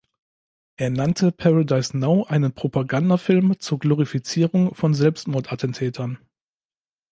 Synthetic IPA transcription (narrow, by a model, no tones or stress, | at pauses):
ʔeːɐnantʰəpʰaʁadaɪsnaʊʔaɪnənpʁ̥opaɡandafɪlmt͡suːɐɡloʁ̞ifit͡siːʁʊŋfɔnzɛlpstmɔɐtʔatn̩tʰɛːtʰɐn